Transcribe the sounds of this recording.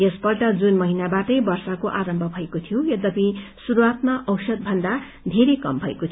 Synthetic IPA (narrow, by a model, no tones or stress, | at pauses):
jespʌrʈʌd͡zunmʌɦinabaʈʌjbʌrsakoʔaɾʌmbʱʌbʱʌekot̪ʰijojʌd̪ʌpisuɾuat̪maʔʌwsʌd̪̚bʱʌnd̪a | d̪ʱeɾekʌmbʱʌḛkot̪ʰ